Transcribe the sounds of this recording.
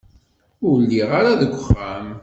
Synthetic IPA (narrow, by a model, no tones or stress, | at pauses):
ʊlːiʁaɾaðəɡʷːəχːæm